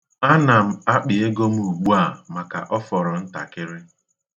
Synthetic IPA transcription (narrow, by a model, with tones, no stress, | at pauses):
a˦na˨m̩˦˨a˦k͡pɪ˨e˦ɡo˦m̩˦u˨ɡ͡bu˦a˦˨ma˨ka̰˨ʔɔ˦fɔ˨ɾɔ˨n̩˦ta̰˨kɪ˦ɾɪ˦